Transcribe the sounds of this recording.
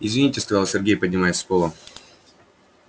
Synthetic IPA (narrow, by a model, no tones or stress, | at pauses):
ɪzvʲɪnʲitʲɪskɐzɑlˠsʲɪrɡʲejpədʲnʲɪmajɪsʲspolˠə